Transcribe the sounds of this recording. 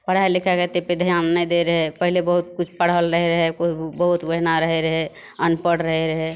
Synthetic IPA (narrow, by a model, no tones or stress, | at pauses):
pəɽ̤aelikʰɛket̪eped̪ʱjanːəjd̪eɾəɦɛpəɦilebəɦut̪̚kut͡ʃʰpəɽ̤əlɾəɦɛɾəɦɛkubəɦut̪ʋəɦnaɾəɦeɾəɦɛ | ənpəɽɾəɦɛɾəɦɛ